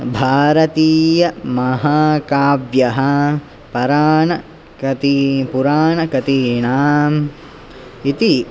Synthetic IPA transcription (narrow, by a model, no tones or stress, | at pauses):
bʱaːɾɐt̪iːjɐmɐɦaːkaːʋjɐɦɐ | pɐɾaːnɐ | kɐt̪ipuɾaːɳɐkɐt̪iːɳaːm | it̪i